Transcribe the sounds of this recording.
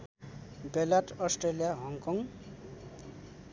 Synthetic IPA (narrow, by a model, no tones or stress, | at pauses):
belaʈʌsʈrelijaɦʌŋkɔŋ